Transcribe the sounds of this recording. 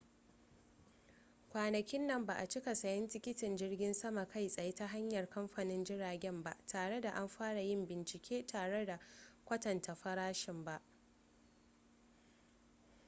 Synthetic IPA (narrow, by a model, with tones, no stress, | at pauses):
kʷaː˨nɐ˨kʲɪ˦nːɐ˨mbaː˨ʔa˨t͡ʃɪ˦ka˨sɐ˨jɛ˦ntɪ˦kʲɪ˦tɪ˨nd͡ʒɪ˦rɡʲɪ˦nsɐ˦ma˨ka˦˨jsʼɐ˨je˦ta˦ɦa˦ɲjɐ˨rkɐ˦mɸaː˨nɪ˦nd͡ʒɪ˦ɽaː˨ɡʲɛ˦mba˦˨ʔtʰaː˨ɽe˦da˨ʔa˦mɸaː˦ɽa˨jɪ˦mbɪ˨nt͡ʃɪ˨kʲʰeː˦tʰaː˨ɽe˦da˨kʷɐ˦tɐ˨nta˨ɸɐ˦ɾaː˦ʃɪ˨mba˦ʔ